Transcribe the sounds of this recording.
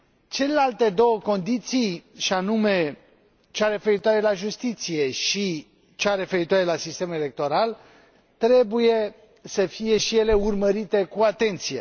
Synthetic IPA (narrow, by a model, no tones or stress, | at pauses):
t͡ʃe̞le̞lalt̪e̞d̪o̞wəko̞nd̪it̪sijʃianume̞ | t͡ʃeaɾe̞fe̞ɾit̪oaɾe̞laʒust̪it̪sije̞ʃi | t͡ʃeaɾe̞fe̞ɾit̪oaɾe̞lasist̪e̞mele̞k̚t̪o̞ɾal | t̪ɾe̞buje̞ | səfije̞ʃije̞le̞urməɾit̪e̞kuat̪e̞nt̪sijḛ